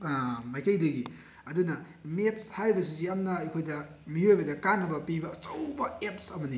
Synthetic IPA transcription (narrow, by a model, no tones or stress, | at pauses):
majkɐjdɐɡi | ɐdunɐ | mep̚shaɾibɐs̬uziɐmnɐɐjkʰojdɐ | miojbɐdɐkanːɐbɐpibɐːt͡ʃɐwbɐep̚sɐmɐni